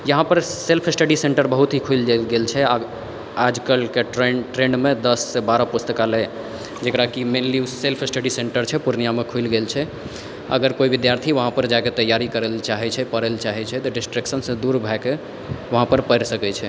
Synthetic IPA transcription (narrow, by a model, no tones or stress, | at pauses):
jəɦãpəɾselpʰesʈəɖiseɳʈəɾbəɦut̪ɦikʰujld͡ʒlɡelt͡ʃʰɛa | ad͡ʒkəlkeʈɾeʈɾenmed̪əsːebaɾəpust̪əkale | d͡ʒekɾakimelliusselpʰɪsʈəɖiseɳʈəɾt͡ʃʰɛpuɾnijamekʰuilɡelt͡ʃʰɛ | ə̰ɡəɾkoibid̪jaɾt̪ʰiʋəɦãpəɾd͡ʒaket̪əjaɾikəɾɛlt͡ʃaɦɛt͡ʃʰɛpəɾɛlt͡ʃaɦɛt͡ʃʰɛt̪ɔɖisʈɾeksənsə̃d̪uɾbʱɛke | ʋəɦãpəɾpəɾsəkɛt͡ʃʰɛ